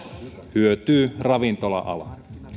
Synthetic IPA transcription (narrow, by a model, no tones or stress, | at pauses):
hyøt̪yːrɑʋint̪olɑ̰ʔɑ̰lɑ